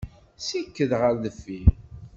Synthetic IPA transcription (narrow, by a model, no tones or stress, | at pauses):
sikːəðʁəɾðəfːi